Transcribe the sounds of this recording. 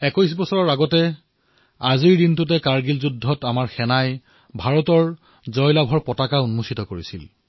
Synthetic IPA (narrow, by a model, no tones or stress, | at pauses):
ɛkɔjs̬bɔsɔɹɔɹaɡɔtɛ | aziɹdintut̬ɛkaɹɡilzudʱːɔtamaɹxɛnaj | bʱaɹɔtɔɹ | zɔjlabʱɔɹpɔtakaunmusitɔkoɹisḭl